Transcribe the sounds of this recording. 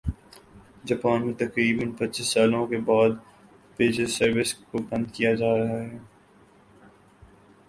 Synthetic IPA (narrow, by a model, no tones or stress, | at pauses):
d͡ʒaːpaːnmẽt̪ɐkɾiːbənpɐtːʃisːaːlõkebaːd̪ | peːd͡ʒəzsɐɾʋɪskobɐ̃nd̪kijad͡ʒaːɾɐɦaɦɛː